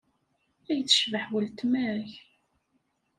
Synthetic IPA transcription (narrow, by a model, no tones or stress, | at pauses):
æjt͡sːə̥ʃvəħwəlt̪mæɾç